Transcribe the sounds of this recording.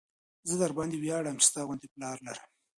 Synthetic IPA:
zəd̪aɾbɑnd̪iwjɑɽamt͡ʃe̥st̪ɑɣwʊnt̪eplɑɾlaɾəm

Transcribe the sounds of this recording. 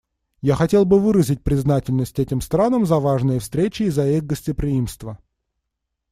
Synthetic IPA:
jaxɐtʲe̞lˠbɨvɨɾəzʲɪt̚ʲpɾʲɪznatʲɪlʲnəsʲtʲɛtʲɪmst̪ɾanəmzɐvaʐnɨjəfst̪ɾʲet͡ɕɪːzɐixɡəsʲtʲɪpɾʲɪimst̪və

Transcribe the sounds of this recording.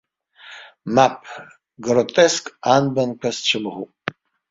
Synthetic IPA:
mapʰ | ɡrot̪ʼɛskʼanbɐnkʷʰɐst͡ʃʰɨmɨʁu

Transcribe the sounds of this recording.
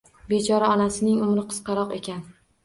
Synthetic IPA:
be̞t͡ʃʰɒɾaɒnasɪnɪŋʊmɾɪqʰɨ̥qɑɾɒqe̞̰kʲʰan

